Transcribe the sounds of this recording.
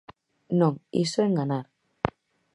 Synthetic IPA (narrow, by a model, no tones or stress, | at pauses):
nõŋḭsoeŋɡanaɾ